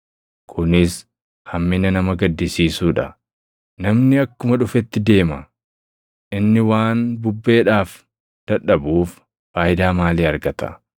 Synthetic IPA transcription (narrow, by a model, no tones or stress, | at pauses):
kʰʊnɪs | hɐmːɪnɐnɐmɐɡɐd̪ːɪsiːsuːᶑɐ | nɐmnɪɐkːʊmɐᶑʊfɛt̪ːɪd̪e̞ːmɐ | ʔɪnːɪwaːnbʊbːe̞ːᶑaːf | d̪̥ɐᶑɐbuːf | faːjɪd̪aːmaːliːɐɾɡɐt̪ɐ̰